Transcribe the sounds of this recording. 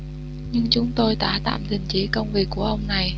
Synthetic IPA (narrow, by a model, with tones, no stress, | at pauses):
ɲɨ˧ŋt͡ɕʊ˨˦ŋ͡mt̪o˧jɗ̪a̰ː˧˥t̪a̰ː˧˨mt̪ï˨˩ŋ̟t͡ɕi˨˦kə˧wŋ͡mvi˨˩əkːu˧˩əʔə˧wŋ͡mna˨˩j